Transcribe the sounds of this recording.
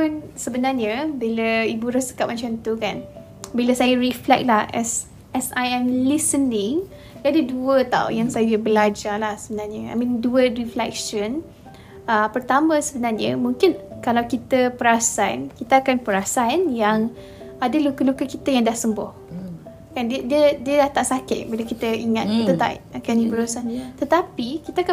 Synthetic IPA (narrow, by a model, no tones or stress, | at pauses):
pʊnsəbənarɲəbiləibuɾəsə̥kap̚mãɲt͡ʃamt̪ukan | biləsajəɾiflɛ̰k̚lahɛs | ɛsajɛ̃mlisənɪ̃ŋ | diadəduət̪a̰w̰jaŋsajəbəlad͡ʒalahsəbənarɲəa̰jmĩnduəriflɛk̚ʃən | əpərt̪amə̃səbənarɲəmũŋkɪnkalawkit̪əpəɾasankit̪əakanpəɾasanjaŋ | adəlukəlukəkit̪əjaŋdahsəmbʊ̰h | kandiədiədiədaht̪aʔsakɪt̪̚biləkit̪əiŋat̪̚kiət̪a̰ʔakanibəɾusant̪ət̪apikit̪aaka